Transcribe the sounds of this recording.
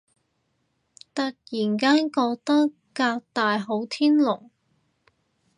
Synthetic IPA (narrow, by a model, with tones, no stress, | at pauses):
t̪ɐ˨k̚jiː˨˩nkaː˥nkɔː˧k̚t̪ɐ˥kː | aː˧k̚t̪aː˨˧jɦo˨˥wt̪ʰiː˥nlʊ˨˩ŋ